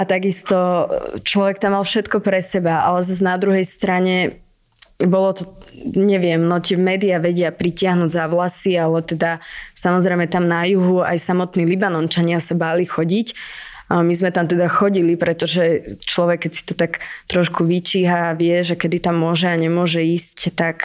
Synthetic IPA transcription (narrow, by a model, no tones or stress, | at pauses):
at̪aɡist̪ɔt͡ʃlɔʋɛk̚t̪amːalfʃɛt̪kɔpɾɛsɛbaa̰lɛzaznad̪ɾuɦɛjst̪ɾaɲɛ | bɔlɔt̪ɔɲɛʋɪɛmnɔt̪ɪɛmɛːd̪iaʋɛɟɪapɾicɪaɦnuɟzaʋlasialɛt̪ɛd̪asamɔzɾɛɪmɛt̪amnajuɦua̰jsamɔt̪niːlibanɔnt͡ʃaɲɪasabaːlixɔɟic | mizmɛt̪amt̪ɛd̪axɔɟilipɾɛt̪ɔʒɛt͡ʃlɔʋɛkːɛcsi̥t̪ɔt̪akt̪ɾɔʃkuʋit͡ʃiːɦaːʋɪɛʒɛkɛd̪it̪amːʊɔʒɛaɲɛmʊɔʒɛiːsct̪ak